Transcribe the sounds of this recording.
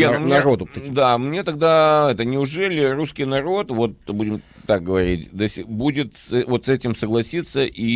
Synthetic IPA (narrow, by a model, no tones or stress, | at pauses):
amnɐɾod̪ʊt̪ɐd̪amnʲe̞t̪ɐɡ̚d̪aɛt̪ənʲɪʊʐɛlʲɪɾuskʲɪjnɐɾo̞t̪vo̞t̪budʲɪm | t̪ak̚ɡəvɐɾʲitʲd̪əsʲɪbudʲɪt̪sɛvo̞t̪sɛtʲɪmsəɡlˠɐsʲit̪sːəʔi